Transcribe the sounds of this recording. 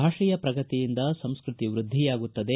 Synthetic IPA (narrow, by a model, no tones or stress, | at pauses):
aːʂijɐpɾɐɡɐt̪ijind̪ɐsɐmskɾɪt̪iʋɾud̪ʱːijaːɡut̪ːɐd̪e̞